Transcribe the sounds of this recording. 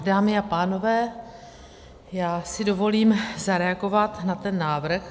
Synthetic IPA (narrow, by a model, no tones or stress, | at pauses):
daːmɪapaːno̞vɛː | jaːsɪdo̞vo̞liːmzaɾɛaɡo̞vat̪nat̪ɛnːaːvr̩x